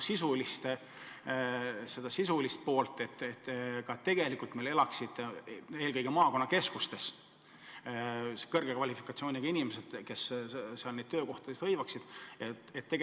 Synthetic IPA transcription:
sisulist̪e | se̞d̪ɑsisulist̪̚po̞ːlt̪ːˑe̞t̪ːet̪ːkɑt̪e̞ɡ̥e̞likːˑult̪mele̞lɑksid̪̥eːlkɤjɡ̥emɑːko̞nːɑke̞skust̪e̞s | kɤrɡ̥ekvɑlʲifi̥kːˑɑt̪sio̞ːnʲiɡ̥ɑinʲimesed̪̥ke̞sseɑlnejd̪̥̚t̪øːko̞ht̪ɑd̪est̪hɤjvɑksid̪̥e | et̪ːeɡ

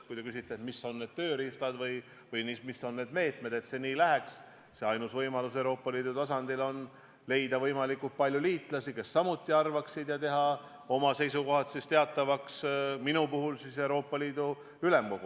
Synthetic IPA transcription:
kujt̪e̞kys̬it̪ˑːet̪misːo̞nːe̞ːd̪̥̚t̪øːɾiftlɑd̪vɯj | vɯjnismisːo̞nːe̞ːd̪̥me̞ːt̪me̞d̪e̞t̪se̞niːlæɦeks | se̞ɑjnusvɤjmɑlus̬e̞wɾo̞ːpːˑɑliːd̪ut̪ɑsɑnd̪̥ilo̞n | le̞jd̪ɑvɤjmɑlikːult̪̚pɑlʲjuliːt̪ˑlɑsike̞sːɑmut̪ˑːiɑrvɑksid̪̥jɑt̪e̞ɦɑ | o̞mɑse̞jsuko̞ɦɑt̪sist̪e̞ɑt̪ˑːɑvɑksminupuɦulsise̞wɾo̞ːpːˑɑliːd̪u | yle̞mko̞ɡ̥u

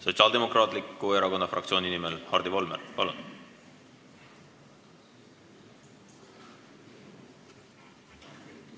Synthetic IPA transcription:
so̞tsiɑːld̪̥e̞mo̞krɑːt̪ˑlikːˑueɾɑko̞nːɑfrɑ̰kt̪sʲio̞ːnʲinimelhɑrd̪ivo̞lmerpɑ̰lṵn

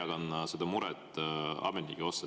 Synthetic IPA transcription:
ɑɡ̥ɑnːɑsed̪̥ɑmuɾɛt̪ːˑɑ̰menikːio̞sːɑ

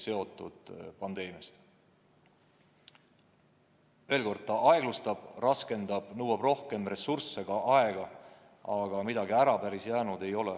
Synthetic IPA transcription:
se̞o̞t̪ˑːud̪̥pɑnd̪̥e̞ːmijɑst̪ | e̞lko̞rd̪̥̚t̪ɑʔɑe̞ɡ̥lust̪ɑb̥rɑske̞nd̪̥ɑb̥nɤwɑb̥ro̞hke̞mre̞sursːe̞ɡ̥ɑʔɑe̞ɡ̥ɑ | ɑɡ̥ɑmid̪ɑɡiæɾɑpæɾisjæːnud̪̥e̞jo̞le

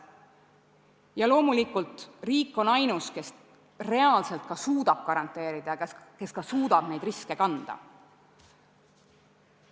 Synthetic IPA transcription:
jɑlo̞ːmulikːˑult̪ˑriːkːˑo̞nɑjnuske̞s | re̞ɑlse̞lt̪̚kɑsuːd̪̥ɑb̥̚kɑɾɑnt̪ːˑe̞ːɾid̪̥ɑke̞skɑsuːd̪̥ɑb̥ne̞jd̪riske̞kɑnd̪̥ɑ̰

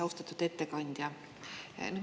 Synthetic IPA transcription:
ost̪ɑt̪ːˑut̪et̪ːekɑnʲd̪̥ʲjɑ | nyd̪

